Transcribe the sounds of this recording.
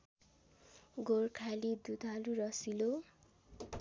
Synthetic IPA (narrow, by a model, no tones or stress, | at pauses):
ɡorkʰalid̪ut̪ʌɾuɾʌsilo